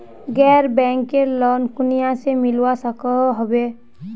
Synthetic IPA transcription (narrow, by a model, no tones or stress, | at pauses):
ɡɛːɾbɛ̃ːŋkːelɔːnkʊnijãsemɪlwasəkəɦəbeː